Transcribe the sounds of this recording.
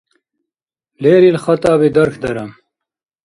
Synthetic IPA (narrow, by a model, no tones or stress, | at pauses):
leːɾiːlxɐt̪aːbiːd̪ɐɾkʰd̪ɐɾɐm